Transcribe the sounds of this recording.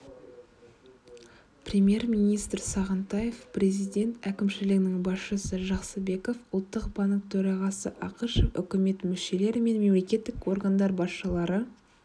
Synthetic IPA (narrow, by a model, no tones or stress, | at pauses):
prʲemʲje̞rmʲinijst̪rsɑʁənt̪ɑje̞fprʲe̞zijd̪ʲe̞nt̪ækʲɪmʃɪlɪɡɪnɪŋbɑsʃəsəʒɑqsəbe̞ko̞fʊlˠt̪ːəqbɑŋk̚t̪ʰɵɾɑʁɑsəʔɑqəʃofʏ̰kʲɪme̞t̪mɪʃe̞le̞ɾɪme̞nme̞mle̞kʲe̞t̪ːɪko̞rɡand̪ɑɾbɑsʃəlˠɑɾə